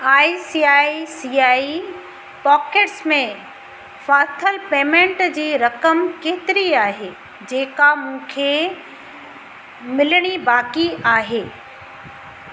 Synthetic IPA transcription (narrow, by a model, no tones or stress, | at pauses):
aːisiːaːisiːaːi | pɔːkeːʈsmẽ | faːt̪ʰəlpeːmẽɳʈd͡ʑiːɾɐkəmkeːt̪ɪɾiaːɦe | d͡ʑeːkamũːkʰe | mɪlɽ̃ibaːkiʔaːɦeː